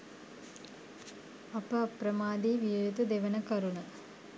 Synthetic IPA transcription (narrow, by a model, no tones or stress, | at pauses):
ɐpɐɐpɾɐmaːd̪iːʋiːɾɐt̪ud̪eʋɐnɐkɐɾuɳɐ